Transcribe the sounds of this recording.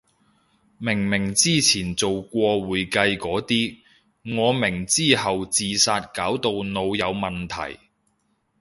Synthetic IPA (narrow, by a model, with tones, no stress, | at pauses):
mɪ˨˩ŋmɪ˨˩ŋt͡siː˥t͡sʰiː˨˩nt͡so˨wkʷɔː˧wuː˨jkɐ˧jkɔː˨˥t̪iː˥ | ŋɔː˨˧mɪ˨˩ŋt͡siː˥hɐ˨wt͡siː˨saː˧t̚kaː˨˥wt̪o˧wno˨˧wjɐ˨˧wmɐ˨nt̪ʰɐ̰˨˩j